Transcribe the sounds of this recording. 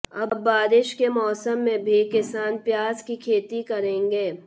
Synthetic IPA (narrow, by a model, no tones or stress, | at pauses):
ɐbbaːɾɪʃkemɔːsəmːẽbʱikɪsaːnpjaːzkikʰeːt̪ikɐɾẽːŋɡeː